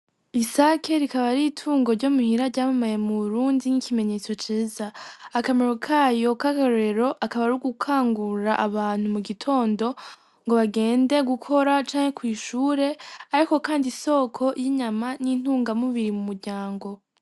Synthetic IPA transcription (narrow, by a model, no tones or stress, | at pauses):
isakʰe̞ɾikaβaɾitʰuːŋɡo̞ɾɟo̞muhiɾaɾɟaːmumajemuβuɾuːndinikime̞ɲe̞ːt͡so̞t͡ʃiːzaːkameɾokʰaːjo̞kaɡaɾɾe̞ɾo̞ʔakaβaɾuɡukʰaːŋɡuɾaʔaβaːn̥humuɡitʰo̞ːndo̞ | ŋɡo̞βaɡe̞ːnde̞ɡukʰo̞ɾat͡ʃaːŋhe̞kwiːʃuːɾe̞aɾiko̞kaːndiso̞ːkʰo̞jiɲamanin̥huːŋɡamuβiɾimumuɾɟaːŋɡo̞